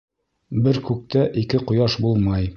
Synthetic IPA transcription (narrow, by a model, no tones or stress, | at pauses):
bɘɾkʉk̚t̪æʔikɘqŏjɑʃbulˠmɑj